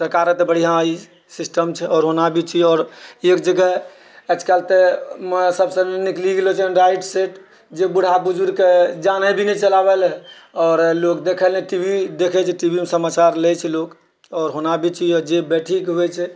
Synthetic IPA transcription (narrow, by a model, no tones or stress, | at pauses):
səɾkaɾət̪bəɽ̤iɦãi | sisʈəmt͡ʃʰɛɔːɾɦonabʱit͡ʃʰiɔːɾek̚d͡ʒəɡɛ | ət͡ʃʰkalt̪emsəbsənikliɡelot͡ʃʰɛɾaiʈseʈ | d͡ʒebuɽ̤abud͡ʒuɾked͡ʒanəbʱinɛt͡ʃəlabelɛ | ɔːɾlokd̪ekʰəlɛʈibʱid̪ekʰɛt͡ʃʰɛʈibʱimesəmat͡ʃaɾlɛt͡ʃʰɛlok | ɔːɾɦonabʱit͡ʃʰiɔd͡ʒebɛʈʰikɦejt͡ʃʰɛ